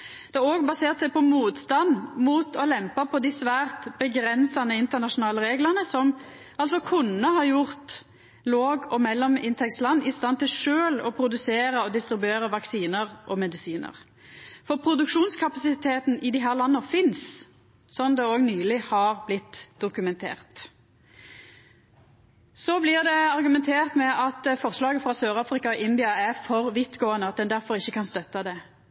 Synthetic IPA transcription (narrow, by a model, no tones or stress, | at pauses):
d̪̥ɛæɾoːɡbɑseːʁt̪sɛɪpʰɔmuːt̪st̪ɑnmuːt̪ʰɔlɛmpɑpʰɔd̪ɪsʋæːʁt̪bəɡɾɛnsɑnəɪnt̪əʁnɑʂʊnɑːləɾeːɡləʁnəsɔm | ʔɑlsɔkʰʉnːəhɑɾjʊʁt̪ | loːɡɔmɛlːɔmɪnt̪ʰɛkslɑnːɪst̪ɑnt̪ɪlʂøːlɔpʰɾʊd̪ʉseːɾəɔd̪ɪst̪ɾɪbʉeːɾəʋɑksiːnəʁʔɔmɛd̪ɪsiːnə̰ʁ | fɔpʰɾʊd̪ʉkʂuːnskʰɑpɑsɪt̪ʰeːt̪nɪd̪ɪɦæːʁlɑnːəfɪns | sɔnd̪ɛoːɡnyːlɪhɑʁblɪt̪ːd̪ʊkʉmɛnt̪ʰḛːʁt̪ | sɔblɪʁd̪ɛɑɾɡʉmɛnt̪ʰeːʁt̪mɛʔɑt̪fɔʁslɑːɡəfɾɑsøːʁɑːfɾɪkɑɔʔɪnd̪ɪɑæʁfɔʁʋɪt̪ɡoːənəɑt̪̚d̪ɛnd̪æɾfɔɾɪçːəkʰɑnst̪œt̪ːɑd̪ɛ